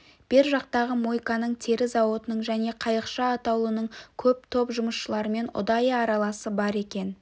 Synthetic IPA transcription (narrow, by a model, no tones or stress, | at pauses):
b̥ɪɾʒɑq̚t̪ɑʁəmo̞jkɑnəɴt̪ʰe̞ɾɪzɑwo̞t̪ənəɴʒæne̞qʰɑjəqʃɑːt̪ɑwlˠənəɴkʲʰɵp̚t̪ʰo̞pʒʊməsʃəlˠɑɾəme̞nʊ̰d̪ɑjɑɾɑlˠɑsəbɑɾe̞kʲe̞n